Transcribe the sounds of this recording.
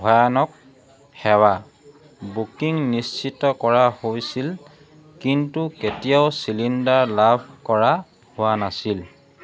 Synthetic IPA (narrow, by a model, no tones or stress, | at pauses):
bʱɔjanɔk̚ | hɛwa | bukiŋnist͡ʃitɔkɔɹahojsil | kintuketijaʊsilindaɹlabʱkɔɹa | hʊwanasil